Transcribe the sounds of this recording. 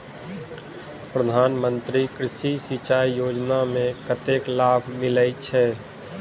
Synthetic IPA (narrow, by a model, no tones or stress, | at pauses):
pɾəd̪ʱaːnmə̃nt̪ɾikɾɪʃisɪt͡ʃaːijoːd͡ʒnamẽkət̪eklaːbʱmɪləit͡ʃʰɛː